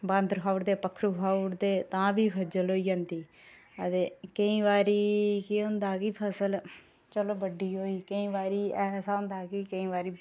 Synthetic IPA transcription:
bãnd̪ɾkʰaːʊɽd̪eːpəkʰːɾuːkʰaːʊɽd̪eːt̪ãːbiːkʰəd͡ʒəloːiːd͡ʒãːnd̪iː | ət̪eːkəĩːʋaːɾiːkiːɦʊ̃nd̪aːkiːpʰəsəl | t͡ʃəloːbəɖiːɦoːiːkəĩːʋaːɾiːɛːsaːɦʊ̃nd̪aːkiːkəĩːʋaːɾiː

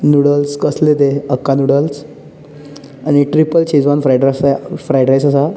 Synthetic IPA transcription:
nuɽəlskəslet̪eəkːanuɽəls | aɽ̃iʈɾipəlt͡ɕʰiːd͡zʋanfɾajɖɾasfɾajɖɾajsasa

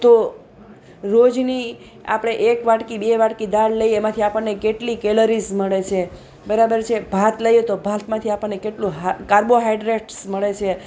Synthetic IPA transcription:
t̪o | ɾod͡ʒni | a̰pɽ̃eʔekʋaʈkibeʋaɽkid̪aɽləiemãt̪ʰiapəɳːekeʈlikeləɾisməɭet͡ʃʰe | bəɾabəɾt͡ʃʰebʱat̪ləjet̪obʱat̪mãt̪ʰiapəɳːekeʈlũɦkaɾboɦajɖɾeʈsməɭet͡ʃʰe

